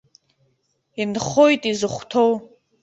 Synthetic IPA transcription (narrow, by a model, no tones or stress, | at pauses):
inχojtʼizɨχʷtʰow